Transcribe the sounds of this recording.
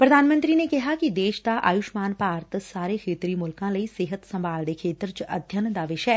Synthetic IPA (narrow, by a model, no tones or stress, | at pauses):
pɾɐd̪ʱaːnmə̃nt̪ɾinekɛɦakid̪eːʃt̪aʔa̰ːjʊʃmaːnpaːɾt̪ʰsaːɾexʰeːt̪ɾimʊlkãləiseːɦət̪sɐ̃mbaːlnekʰeːt̪ɾt͡ʃɐ̰d̪ʱjənd̪aːʋɪʃɛː